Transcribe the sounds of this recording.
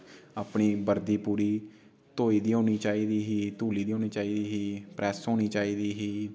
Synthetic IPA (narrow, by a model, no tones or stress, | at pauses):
aːpɳiːbəɾd̪iːpuːɾiː | t̪oːiːd̪iːɦoːñiːt͡ʃaːiːd̪iːɦiːt̪uːliːd̪iːɦõːñiːt͡ʃaːiːd̪iːɦiːpɾʔɛːsɦoːñiːt͡ʃaːiːd̪iːɦiː